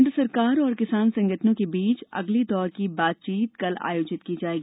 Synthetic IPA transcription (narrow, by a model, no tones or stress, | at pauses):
nʈ̪əsɐɾkaːɾɔːɾkɪsaːnsɐ̃ŋɡət̪nõkebiːt͡ʃɐ̰ɡlid̪ɔːɾkibaːt̪̚t͡ʃiːt̪kɐla̰ːjoːd͡ʒɪt̪kiːd͡ʒaːeːɡiiː